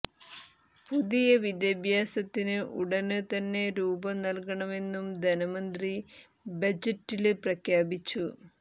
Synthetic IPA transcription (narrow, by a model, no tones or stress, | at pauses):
puðijɐʋid̪jɐbʱjaːsɐt̪ːinɨʔuɽɐnɨt̪ɐnːe̞ɾuːbɐnɐlkɐɳɐme̞nːumd̪ʱɐnɐmɐnd̪ri | bɐd͡ʑɐtːilprɐkʰjaːbit͡ɕːu